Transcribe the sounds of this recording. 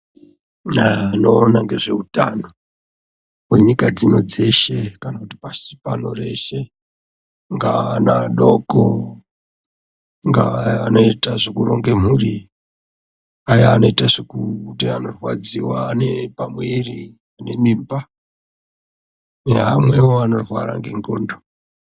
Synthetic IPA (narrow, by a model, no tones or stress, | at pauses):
ano̞ːnaŋɡe̞ʐe̞uta̰no | mweɲikad͡zino̞d͡ze̞ʃe̞kanakuti̥pasi̥pano̞re̞se̞ | ŋɡanaɗo̞ko | ŋɡa̰anoitaʐekuɾo̞ŋɡem̤uri | ajaːno̞itaʐikutiano̞rwa̰d͡ziwaːne̞pamwiri | ane̞mimba | eɦamwe̞woano̞rwa̰ɾa̰ŋɡeŋɡoːndo